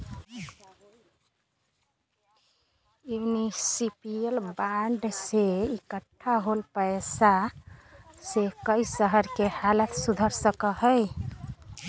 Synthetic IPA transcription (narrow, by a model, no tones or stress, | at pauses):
junisipijəlbaɳɖseikəʈʰːaɦolpəɪsa | sekəjsəɦəɾkehalət̪sud̪ʱəɾsəkəhəj